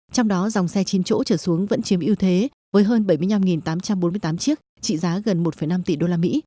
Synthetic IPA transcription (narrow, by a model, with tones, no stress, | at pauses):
t͡ɕɔ˧wŋ͡mɗɔ˨˦za˨˩wŋ͡msɛ˧t͡ɕi˨˦nt͡ɕo̰˧˥t͡ɕəː˧˩su˨˦əŋvə̰˧˥nt͡ɕi˨˦əmʔi˧wt̪ʰe˨˦ | vəː˨˦jɦəː˧nɓə˧˩jmɨ˧əjna˧mŋi˨˩nt̪aː˨˦mt͡ɕa˧mɓo˨˦mɨ˧əjt̪aː˨˦mt͡ɕi˦˥ək̚ | t͡ɕḭ˧˨zaː˨˦ɣə˨˩nmo˨˩t̚fə˨˩jna˧mt̪ḭ˨˩ɗo˧laː˧mḭ˧˥